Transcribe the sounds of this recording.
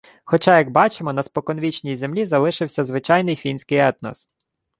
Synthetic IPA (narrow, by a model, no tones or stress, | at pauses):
xɔt͡ʃɑjɐɡ̚bɑt͡ʃemɔnɐspɔkɔnʋʲit͡ʃnʲijzemlʲizɐlˠɪʃɪwsʲɐzʋɪt͡ʃɑjnɪjfʲinʲsʲkɪjɛt̪nɔ̰s